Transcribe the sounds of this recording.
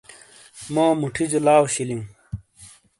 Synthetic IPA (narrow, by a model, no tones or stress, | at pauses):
mãːmuʈʰid͡ʑolaːwɕiliũ